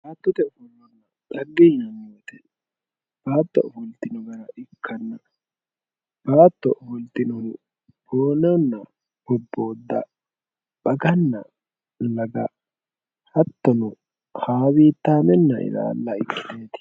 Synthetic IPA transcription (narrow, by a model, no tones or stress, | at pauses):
b̥aːt̪ːɔt̪ɛɔfɔlːɔnːɐ | ᶑɐɡːɛjɪnɐmjoːt̪ɛ | b̥aːt̪ːɔ̰ʔɔfɔlt̪ɪnɔɡɐɾɐʔɪkʰːɐnːɐ | b̥aːt̪ːɔʔɔfɔlt̪ɪnɔ | boːnɔnːɐ | bɔbːo̞ːd̪ːɐ̰ | b̥ɐɡɐnːɐ̰ | lɐɡɐ | hɐt̪ːɔnʊ | haːwiːt̪ːaːmɛnːɐʔɪ̰d̪a̰ːlːɐɪkːɪ̥t̪eːt̪